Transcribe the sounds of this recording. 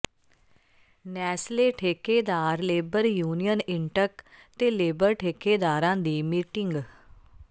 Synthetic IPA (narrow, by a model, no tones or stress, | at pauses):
nɛːsleːʈʰeːkeːd̪aːɾleːbəɾjuːnijənɪɳʈəkt̪eːleːbəɾʈʰeːkeːd̪aːɾãːd̪iːmiːʈɪŋɡ